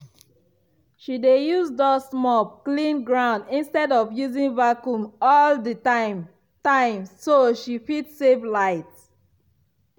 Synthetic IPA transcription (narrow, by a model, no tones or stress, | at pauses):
ʃidejuzdɔsmɔp̚klĩnɡɹãʊ̃ndĩnstɛdɔvjuzĩŋvakjũmɔlditaɪm | tãɪ̃msoʃifitseflaɪt